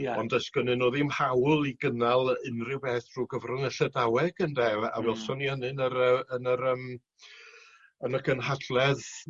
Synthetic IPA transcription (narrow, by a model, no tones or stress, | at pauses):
ɔndəsɡ̥ənɨnoːðimhawlˠiɡənalˠɨnrɪwbɛːθruːɡəvrʊnəɬɛdawɛɡ̥əndɛa̰vɛlˠsɔniənɨnəɾəənəɾəm | ənəkʰənɦadlɛð